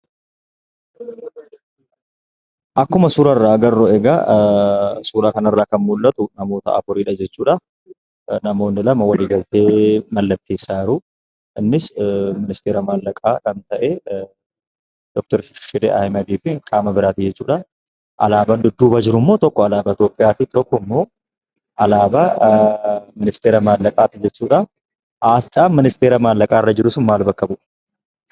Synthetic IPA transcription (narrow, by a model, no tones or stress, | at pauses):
ʔɐkːʊmɐsuːɾɐrːaːɡɐrːɔɛɡɐ | suːɾaːkɐnɐrːaːkɐnmʊlːɐt̪ʊnɐmo̞ːt̪ɐ̰ʔɐ̰fʊɾiːᶑɐd͡ʒɛt͡ʃːuːᶑɐ | nɐmo̞ːnːɪlɐmɐwɐliːɡɐlt̪eːmɐlːɐt̪ːeːsːaːɪɾʊ | ʔɪnːɪsmɪnɪst̪eːɾɐmaːlːɐkʼaːkɐnt̪ɐʔɛ | d̪̥ɔk̚t̪ɔɾʃɪʃɪd̪eʔɐ̰jmɐd̪iːfɪkʼaːmɐbɪɾaːt̪ɪd͡ʒɛt͡ʃːuːᶑɐ | ʔɐ̰laːbɐnd̪ʊd̪ːuːbɐd͡ʒɪɾʊmːo̞ːt̪ɔkːɔɐlaːbɐɪt̪joːpʼːɪjaːt̪it̪ɔkːɔmːo̞ː | ʔɐlaːbɐ | mɪnɪst̪eːɾɐmaːlːɐkʼaːt̪ɪd͡ʒɛt͡ʃːuːᶑɐ | ʔaːsᶑʼaːnmɪnɪst̪eːɾɐmaːlːɐkʼaːɪrːɐd͡ʒɪɾʊsʊnmaːlbɐkːɐbʊ̥